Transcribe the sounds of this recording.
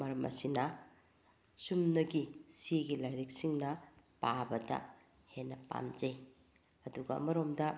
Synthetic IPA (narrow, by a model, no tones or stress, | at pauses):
mɐɾɐmɐ̰sinɐ | sumnɐɡisiɡilajɾik̚siŋnɐpabɐdɐ̰ | henːɐpa̰md͡ʒe | ɐduɡɐ̰mɐɾomdɐ